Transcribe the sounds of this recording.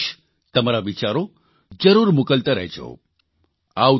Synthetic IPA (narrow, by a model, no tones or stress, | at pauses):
ʃ | t̪əmaɾaʋit͡ʃaɾo | d͡ʒəɾuːɾmukəlt̪əɾə̰ɦt͡ʃʰo̰ | aw